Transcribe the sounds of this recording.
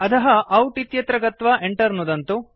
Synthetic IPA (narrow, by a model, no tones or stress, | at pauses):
ɐt̪ɐɦɐʔɐwʈit̪jɐt̪ɾɐɡɐt̪ʋɐʔeɳʈɐɾnud̪ɐnt̪u